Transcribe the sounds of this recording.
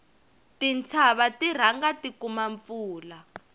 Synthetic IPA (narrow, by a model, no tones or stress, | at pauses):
tint͡sʰaβatiɾ̤aŋɡatikumaɱfuːla